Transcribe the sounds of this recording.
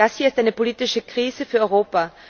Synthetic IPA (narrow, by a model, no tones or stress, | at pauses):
ashiːɐɪstʔaɪnəpoliːtɪʃəkʁ̥iːzəfyːɐʔɔʏʁoːpa